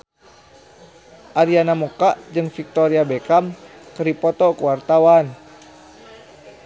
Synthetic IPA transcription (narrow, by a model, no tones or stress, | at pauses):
ʔaɾianamokaʔd͡ʒɨŋfik̚t̪ɔɾiabɛkamkəɾipɔt̪ɔkuwart̪awan